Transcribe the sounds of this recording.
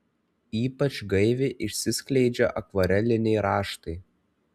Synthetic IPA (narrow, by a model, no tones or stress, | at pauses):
iːpɐt͡ʃɡɐɪʋʲɪʔɪʃʲsʲɪsʲkʲlʲɛɪd͡ʒʲɛʔɐkʋɐɾʲɛlʲɪnʲɛɪɾɑːʃt̪ɐɪ